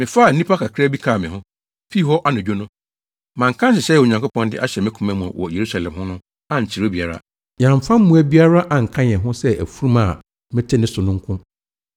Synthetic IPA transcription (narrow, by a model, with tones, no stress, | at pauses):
mɪ̃˨fa˦˨n̩˦nĩ˦pʰa˦kʰa˨kʰɾæ˦bi˦kʰa˦˨mɪ̃˨ɦʊ̃˦ | fi˦hɔ˦ʔa˦nʊ̃˨d͡ʑᶣo˦nʊ̃˦ | mã˨ŋ̩˨kʰã˦n˦s̬ɪ˨ɕɛ˦ɛ˨o˨ɲã˨ŋko˦pʰɔ̃˦ndɪ˦ʔa˦ɕɛ˨mɛ̃˦kʰũ˨mæ̃˦mṵ̃˨wɔ̰˨je˨ɾu˦sa˨lɛ̰̃˨mhʊ̃˦nʊ̃˦ | ã˦ɲ̩˨t͡ɕʰi˨ɾo˦bi˨a˨ɾa̰˦ | jã˨m˨fã˦m̩ː˦ũ˨æ˦bi˦a˦ɾa˦ʔa˨ŋ̩˨kʰã˦ɲ˨ɛ̃˨ɦʊ̃˦sɛ˦ʔæ̰˨fu˦ɾu˦mã̰˨ | mɪ̃˦tʰe˦nɪ̃˦sʊ˨nʊ̃˦ŋ̩˦kʰʊ̃˦